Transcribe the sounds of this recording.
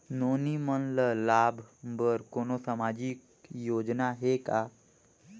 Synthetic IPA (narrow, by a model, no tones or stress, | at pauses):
noːnimənləlaːbʱbəɾkoːnosamaːd͡ʒik | joːd͡ʒnaɦekaː